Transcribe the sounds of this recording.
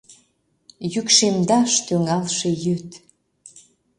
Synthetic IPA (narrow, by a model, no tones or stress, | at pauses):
jykʃemd̪ɑʃt̪øŋɑlʃejøt̪